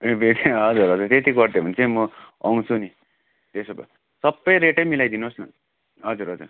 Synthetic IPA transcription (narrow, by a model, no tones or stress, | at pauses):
ebetʰɦʌd͡zuɾɦʌd͡zuɾt̪et̪ikʌɾd̪em̤ʱʌnt͡sʰʌj̃mʌʌŋt͡sʰuni | t̪esobʌ̰ | sʌbːʌjɾeʈʌjmilajd̪inosnʌ̰ | ɦʌd͡zuɾɦʌd͡zṵr